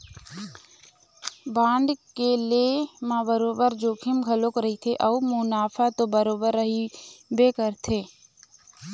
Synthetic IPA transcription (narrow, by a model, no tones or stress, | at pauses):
bãːɳɖkelemãbəɾoːbəɾd͡ʒoːkʰɪmɡʱəlokɾəɦit̪ʰeʔɐumʊnaːpʰat̪obəɾoːbəɾːəɦibekəɾt̪ʰeː